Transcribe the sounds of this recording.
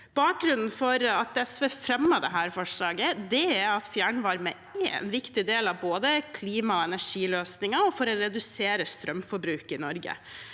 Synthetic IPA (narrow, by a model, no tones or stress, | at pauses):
b̥ɑːk̚ɡɾʉnn̩fɔɾɑt̪̚d̪ɛɛsʋɛfɾɛmːəd̪ɛɦæːɾfɔʂlɑːɡəd̪ɛæɾɑt̪fjæːɳʋɑɾmɛ | ḛːnʋɪkt̪ɪd̪eːlɑʋboːd̪əkʰliːmɑɔɛnæʂiːløːsnɪŋəɔfɔɾɔɾɛd̪ʉseːɾəst̪ɾʔœmfɔɾbɾʉːkɪnɔɾɡə̰